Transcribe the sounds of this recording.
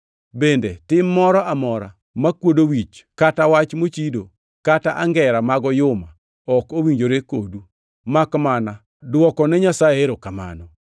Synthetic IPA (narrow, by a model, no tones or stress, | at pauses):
bendetɪmːɔɾɔʔamɔɾa̰ | makwodowit͡ʃkatawat͡ʃmot͡ʃido | kataʔaŋɡɛɾamaɡɔjʊma | ɔkowiɲd͡ʒoɾekodu | makmana | dwɔkɔnɛɲasajeɾokama̰nɔ